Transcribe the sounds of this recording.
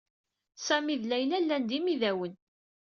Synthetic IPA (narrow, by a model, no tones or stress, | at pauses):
sæmiðlæjlælːænd̪imiðæwən